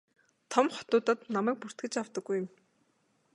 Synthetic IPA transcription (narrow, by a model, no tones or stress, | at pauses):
t̪ʰɔmχɔ̥t̪ʊːt̪ə̆t̪namæːk̚pur̥t̪ɡɘ̆t͡ɕawt̪ə̆ɡːujə̆m